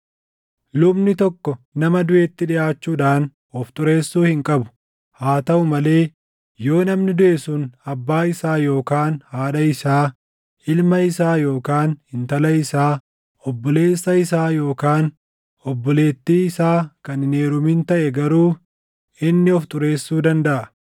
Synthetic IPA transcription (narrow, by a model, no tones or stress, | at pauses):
lʊbnɪt̪ɔkːɔnɐmɐd̪ʊʔeːt̪ːɪᶑɪʔaːt͡ʃːuːᶑaːn | ɔft̪ʼʊɾe̞ːsːuːhɪŋkʼɐbʊ̥ | haːt̪ɐʔʊmɐle̞ː | jo̞ːnɐmnɪd̪ʊʔesunɐbːaːɪsaːjo̞ːkaːnhaːɗɐɪsaː | ʔɪlmɐɪsaːjo̞ːkaːnhɪnt̪ɐlɐɪsaː | ɔbːɔle̞ːsːɐɪsaːjo̞ːkaːn | ɔbːɔle̞ːt̪ːiːɪsaːkɐnɪne̞ːɾʊmɪnt̪ɐʔɛɡɐɾuː | ɪnːɪɔft̪ʼʊɾe̞ːsːuːd̪ɐnd̪ɐʔɐ